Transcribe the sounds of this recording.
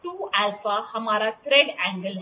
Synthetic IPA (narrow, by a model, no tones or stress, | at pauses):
t̪uælfahəmaɾat̪ɾeɽæ̃ŋɡəl